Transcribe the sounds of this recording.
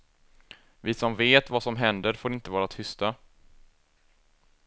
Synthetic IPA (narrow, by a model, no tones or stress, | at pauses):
vɪsɔmveːt̪vasɔmɦɛnd̪əɾfoːɾɪnt̪əvɑːɾat̪ʰʏst̪a